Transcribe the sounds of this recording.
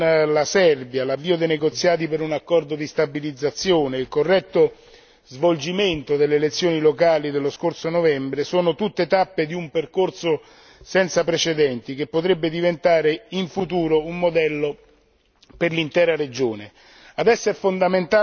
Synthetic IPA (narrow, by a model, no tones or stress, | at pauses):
lasɛrbjalavːiːod̪ejneɡot̪sːjaːt̪̬ipeɾunakːɔrd̪od̪ist̪abilid̪zːat̪sːjoːneilkorːɛt̪ːo | zvold͡ʒiment̪od̪elːeːlet̪sːjoːnilokaːlid̪elːoskorsonovɛmbɾesoːnot̪ut̪ːet̪apːed̪iumperkorso | sɛnt̪sapɾet͡ʃed̪ɛnt̪ik̟epːot̪ɾebːed̪ivent̪aːɾeiɱfut̪uːɾoumːod̪ɛlːo | perlint̪ɛːɾaɾed͡ʒoːne | ad̪ɛsːoɛfːond̪ament̪a